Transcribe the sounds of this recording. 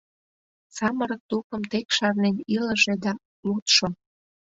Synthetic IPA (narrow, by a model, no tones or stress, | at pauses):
sɑməɾək̚t̪upə̆mt̪ekʃɑrneniləʒed̪ɑ | lut̪ʃo